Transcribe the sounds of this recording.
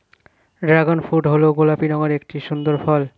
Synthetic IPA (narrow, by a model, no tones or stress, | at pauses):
ɖɾaɡonfuʈɦoloɡolapinɔŋaɾek̚ʈiʃund̪oɾfɔl